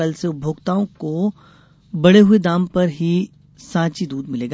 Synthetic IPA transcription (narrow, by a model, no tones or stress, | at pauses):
əlseʊbʱoːɡt̪aːõko | bɐɽeɦʊed̪ãːmpɐɾɦi | sãːt͡ʃid̪uːd̪mɪleːɡa